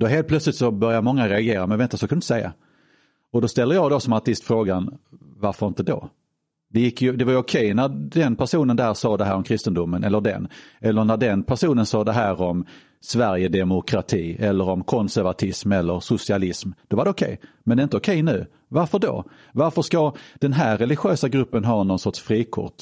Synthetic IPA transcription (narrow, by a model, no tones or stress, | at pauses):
d̪ɔɦeːlt̪̚plœt̪slɪt̪sɔbœɾjaɾmɔŋːaɾɛaɡeːɾamɛnvɛnt̪asɔkʰanɪt̪ə̥sɛjːa̰ | ɔd̪ɔst̪ɛlːəɾjɑːɡd̪ɔsɔmaʈ̪ɪst̪fɾoːɡanvaɾfəɾɪnt̪əd̪o̰ | d̪ɛjɪkːjɵd̪ɛvaɾjɵʊkʰɛjnæɾd̪ɛnpʰæʂuːnənd̪æːɾsɑːd̪ɛɦæ̰ːɾɔmkʰɾɪst̪ənd̪ʊmːənʔɛ̰lːəɖɛ̰nɛlːənæɖɛnpʰæʂuːnənsɑːd̪ɛɦæːɾɔm | svæɾjəd̪ɛmʊkʰɾat̪ʰiːɛlːəɾɔmkʰɔnsæɾvat̪ʰɪsmɛlːəɾsʊsɪalɪsmd̪̥ɔvaɾɖɛʊkʰɛ̰jmɛnd̪ɛːɪnt̪əokʰɛjnʉ̟ː | vaɾfəɖo̰ | vaɾfəʂkad̪̥ɛnɦæːɾːɛlɪɧøːsaɡɾɵpːənɦɑːnɔnsɔʈʂfɾiːkʰʊ̰ʈ